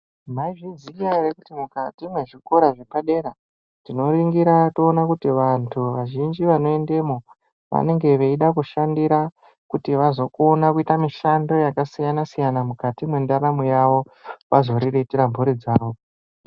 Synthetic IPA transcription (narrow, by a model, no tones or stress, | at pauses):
maiʐid͡zikarekutimukatimwe̞ʐiko̞ɾaʐepaɗe̞ɾa | tino̞riŋɡiɾato̞ːnakutiʋantʰuʋaʒind͡ʒiʋano̞e̞nde̞mo | ʋa̰ne̞ŋɡe̞ʋeiɗakuʃandiɾa | kutiʋazo̞konakuitamiʃando̞jakasijanasijanamukatimwendaɾamujaʋo̞ | ʋazo̞ɾiretiɾambʱoɾid͡zaːɾoː